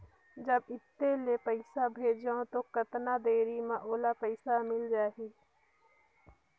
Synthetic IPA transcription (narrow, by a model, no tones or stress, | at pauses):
d͡ʒəbɪt̪ːelepəɪsabʱeːd͡ʒaõt̪okət̪nad̪eːɾimãʔoːlapəɪsamɪld͡ʒaːɦiː